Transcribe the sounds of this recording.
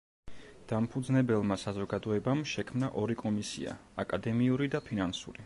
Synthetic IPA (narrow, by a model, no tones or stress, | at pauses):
d̪̥ampʰud̪znɛbɛlˠmasazɔɡad̪ɔɛbamʃɛkʰmnaʔɔɾikʼɔmisḭa̰akʼad̪ɛmiuɾid̪apʰinansṵɾi